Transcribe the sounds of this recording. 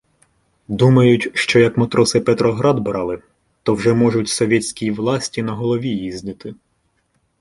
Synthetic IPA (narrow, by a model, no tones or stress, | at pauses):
d̪umɐjʊtʲʃt͡ʃɔjɐkmɐt̪ɾɔsɪpɛt̪ɾɔɦɾɑd̪bɾɑlˠɪ | t̪ɔwʒɛmɔʒʊtʲsɔʋʲɛtʲsʲkʲijiʋlˠɑsʲtʲinɐɦɔlˠɔʋʲijizʲnɪt̪ɪ